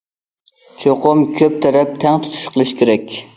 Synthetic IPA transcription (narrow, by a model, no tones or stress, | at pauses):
t͡ʃʰoqʰʊmkʲʰøp̚t̪ʰæɾɛp̚t̪ʰæŋt̪ʰʊ̥t̪ʰu̥ʃqʰəlˠɪʃkʲeɾɛkʲ